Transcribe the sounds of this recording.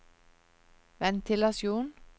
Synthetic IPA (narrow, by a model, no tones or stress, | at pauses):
ʋɛnt̪ʰɪlɑsjuːn